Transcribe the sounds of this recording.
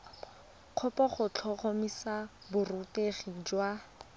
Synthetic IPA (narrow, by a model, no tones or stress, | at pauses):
q͡χʰʊpɔχʊt͡ɬʰɔχomisa | bʊruteχid͡ʒwa